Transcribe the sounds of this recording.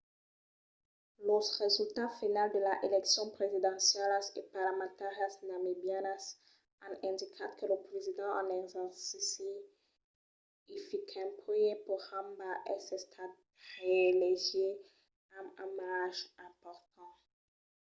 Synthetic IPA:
lɔsʁezylt̪afinald̪əlaʔelɛksjɔ̃pχezid̪ɑ̃sjɛlaskəpaʁlamɑ̃t̪aʁjasnamibianas | ãnɛ̃nd̪ikʰakʰələpχezid̪ɑ̃ʔɑ̰̃nɛzɑ̃sise | ifikʰɛ̃piepuhãmbaʔɛsɛ̃st̪ʰad̪̚ | ʁeleʒe | ãmãmaʁaʒɛ̃pɔʁt̪ʰɑ̃

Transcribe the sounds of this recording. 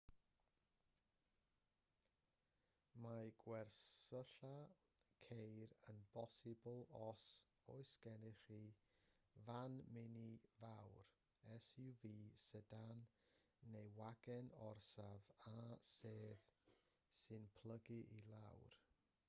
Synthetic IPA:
maɡwɛrsəɬa | kʰejɾənbɔsɪbʊlˠɔs | ɔ̰ɨsɡ̥ɛnɪχi | vanmɪnivawr | ɛsɪwviːsədanː | ejwaɡɛnɔrsavaseːð | sɨnpʰl̥ˠəɡiʔilˠawr

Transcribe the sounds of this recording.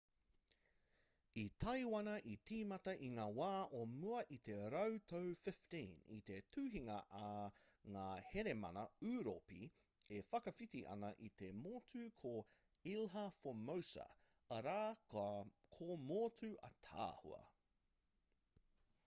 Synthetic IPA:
it̪ʰɐjwɐnɐʔitʰiːmɐtɐʔiŋaːwaːʔomuɐʔit̪e̞ɾɐwt̪ʰowfɪftĩnḭt̪e̞tʰʉːɦiŋɐʔɐŋaːheɾemɐ̰nɐʉːɾo̰pḭ | efɐkɐfit̪iʔɐ̰nɐʔit̪e̞moːtʰʉkʰo | ilɦɐfomowsɐ̰ | ɐɾaː | kʰomoːtʰʉʔɐ̰t̪ʰa̰ːhṵɐ̰

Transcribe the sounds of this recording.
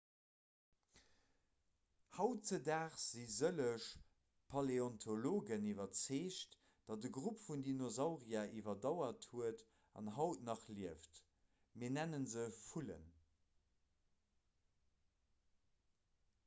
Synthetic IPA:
hɑʊtt͡sədaːχz̥izələʃ | pʰɑleɔntʰoloːɡənivɐt͡seːʃt | d̥ɑt̚dəɡʁupfundinozɑʊʁiaʔivɐdɑʊɐthuət | ɑ̰nɦɑʊtnɑχliəft | miːɐnænənzəfulə̰n

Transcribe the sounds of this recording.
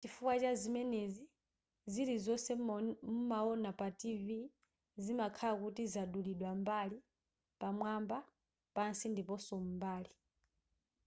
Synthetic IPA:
t͡ʃifukwat͡ʃazimɛnezi | ziɾizɔsɛmumaɔnapativi | zimakʰalakutizaɗuliɗwambali | pamwamba | pansindipɔsɔmumbaːli

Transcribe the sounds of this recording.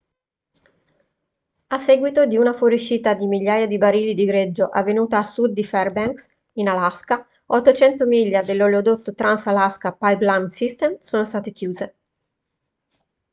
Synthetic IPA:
asːɛːɡwit̪od̪iunafoɾiʃiːt̪ad̪imiʎːaːjad̪ibaɾiːlid̪iɡɾed͡ʒːoʔavːenuːt̪aːsud̪ːifɛrbɛŋks | inalaska | ot̪ːot͡ʃɛnt̪omiʎːad̪elːoleod̪ot̪ːot̪ɾansalaskapajblamsist̪emsoːnost̪aːt̪ek̟juːze

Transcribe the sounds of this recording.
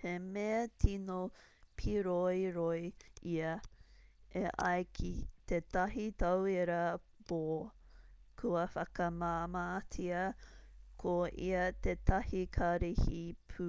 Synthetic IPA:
hemeɐtʰino | pʰiɾojɾojiɐ | eʔɐ̰jkʰit̪etɐɦit̪ɐwiɾɐ | b̥o | kʰuɐfɐkɐmaːmaːt͡sʰiɐ | kʰoʔḭɐt̪etɐhikʰɐɾihipʰu

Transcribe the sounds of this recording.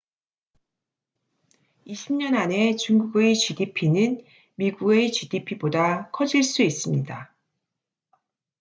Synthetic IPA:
iɕʰimɲʌnane̞t͡ɕuŋɡuɡet͡ɕidipʰinɯn | miɡuɡe̞t͡ɕidipʰibodakʰʌd͡ʑiɭs͈uis͈ɯmɲida

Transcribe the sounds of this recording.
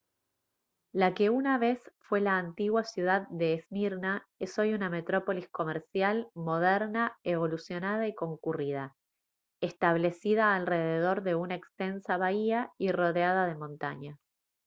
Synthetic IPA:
lake̞unaβe̞sfwe̞laːnt̪iɣwasjuð̞aðːe̞ːsmiɾnaeso̞juname̞t̪ɾo̞po̞lisko̞meɾsjalmo̞ðɛɾnaeβo̞lusjo̞naðaiko̞ŋkurið̞a | est̪aβle̞siðaːlreðeð̞o̞ɾðe̞unaekst̪e̞nsaβaiairo̞ðeaðað̞e̞mõ̞nt̪a̰ɲas

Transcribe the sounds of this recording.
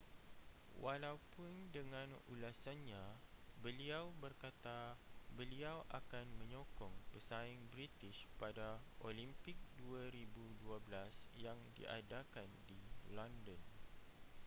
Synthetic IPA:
wʔalawpʊndəŋãnṵlasanɲãbəliawbərkat̪abəliawʔakanmə̃ɲɔkɔŋpəsaɪŋbɾit̪ɪʃpadaʔolimpɪk̚duaɾibuduablasjaŋdḭʔa̰dakandilɔndən

